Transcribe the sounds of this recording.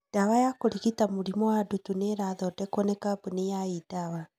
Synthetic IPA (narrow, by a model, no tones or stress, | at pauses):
d̥awajakoɾiɣitamuɾimɔwadutuneɾaðɔdɛkɔnɛkabunejaidawa